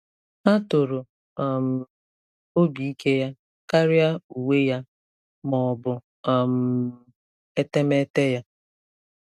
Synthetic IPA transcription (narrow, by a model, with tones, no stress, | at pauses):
a˦to˨ɾo˨ | a˨m̩˨ | o˦bi˨i˦ke˦ja˦ | ka˦ɾɪ˦a˦u˨we˦ja˦ | mɔ˨bʊ˨ | m̩˦ | e˦te˦me˦te˦ja˦